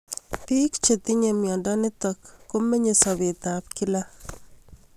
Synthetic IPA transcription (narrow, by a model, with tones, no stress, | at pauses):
pi˦kt͡ʃe˨t̪i˦ɲe˨mjɔ˨ndɔ˦nɪ˦tɔ˨kːo˦me˦ɲe˨sɔ˨βe˨ta˨p̚ki˦la˦